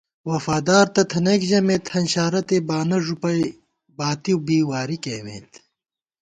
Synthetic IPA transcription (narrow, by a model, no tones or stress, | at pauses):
wɐfaːd̪aːɾt̪ɐt̪ʰɐneːkʑɐmeːt̪hɐnɕaːɾɐt̪eːbaːnɐʐupɐj | baːt̪iwbiːwaːɾikeːwḛːt̪